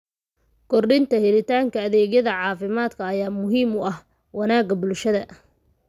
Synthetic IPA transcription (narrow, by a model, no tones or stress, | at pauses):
kʰɔrɖɪnt̪ʰɐhɛlɪt̪ʰaːŋkʰɐːðɛːɣjɐðɐʕɑːfɪmaːd̪kʰɐːjaːmʊɦiːmʊɐh | wɑnaːɡɐbʊlʃɐðɐ